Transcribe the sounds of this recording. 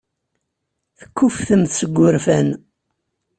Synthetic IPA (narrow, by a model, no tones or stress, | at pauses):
θə̥kːufθəmθsəɡʷːʊɾfæn